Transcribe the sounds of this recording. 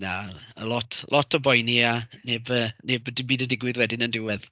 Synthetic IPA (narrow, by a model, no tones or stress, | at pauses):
naə̰lˠɔtʰlˠʔɔtʰɔbɔjnianebəːnebdɪbiːdədɪɡwɪðwɛdɪnəndɪwɛð